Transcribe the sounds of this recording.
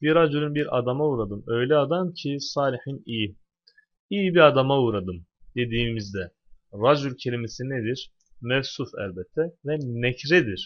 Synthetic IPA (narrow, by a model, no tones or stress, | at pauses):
biɾad͡ʒulʲynbiɾa̰d̪amauːɾad̪ɯmø̞jlʲɛad̪amcʰisaːlʲihiniji | ijibiɾad̪amauɾad̪ɯmd̪̥e̞d̪iːmizd̪ɛ | ɾad͡ʒulʲcʰe̞lʲimesined̪iɾ̥ | mɛvsufæ̰lʲbɛt̪ʰːɛvɛnɛcɾɛd̪iɾ̥